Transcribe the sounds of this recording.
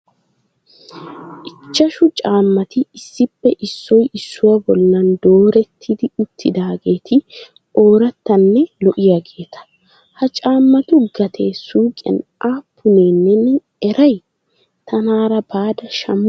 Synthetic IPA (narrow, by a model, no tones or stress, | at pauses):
ʔɪt͡ʃːɐʃʊt͡ʃʼaːmːɐt̪ɪɪsːɪpːɛʔɪsːɔjɪsːʊwɐbɔlːɐnd̪o̞ːɾɛt̪ʰːɪd̪ɪʊt̪ʰːɪd̪aːɡe̞ːt̪ʰɪ | o̞ːɾɐt̪ːɐnːɛlɔʔɪjaɡe̞ːt̪ʰɐ̥ | hɐt͡ʃʼaːmːɐt̪ʊɡɐt̪ʰeːsuːkʼːɐ̰nʔaːpːʊne̞ːnːɛnɛ | ɛɾɐj | t̪ʰɐnaːɾɐbaːd̪ɐʃɐmː